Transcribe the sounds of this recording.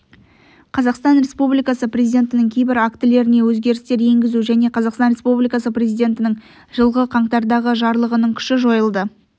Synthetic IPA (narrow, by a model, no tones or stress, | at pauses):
qʰɑzɑqst̪ɑnɾʲe̞spublijkɑsəprʲezijd̪ʲe̞nt̪ɪnɪŋkʲʰejbɪɾakt̪ɪle̞ɾɪne̞wɵzɡʲe̞ɾɪst̪e̞ɾje̞ŋɡʲɪzuʒæne̞qʰɑzɑqst̪ɑnɾe̞spublijkɑsəpre̞zijd̪ʲe̞nt̪ɪnɪŋ | ʒ̥əlˠʁəqʰɑɴt̪ɑɾd̪ɑʁəʒɑɾlˠəʁənəɴkʲʰʏ̥ʃɪʒo̞jəlˠd̪ə